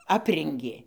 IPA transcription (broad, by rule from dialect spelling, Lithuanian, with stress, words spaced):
ˈɑːpʲrʲɛŋʲɡʲeː